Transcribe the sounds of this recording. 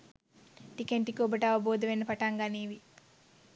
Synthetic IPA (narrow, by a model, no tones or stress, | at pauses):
ʈikeɳʈikoːbɐʈaːʋɐboːd̪ɐʋenːɐpɐʈaːŋɡaniːʋi